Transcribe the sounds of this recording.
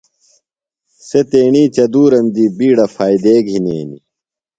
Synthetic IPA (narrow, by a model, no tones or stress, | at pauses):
set̪eːɳiːt͡ɕɐd̪uːɾɐmd̪ibiːɽɐfaːid̪eːɡʱinḛːnḭ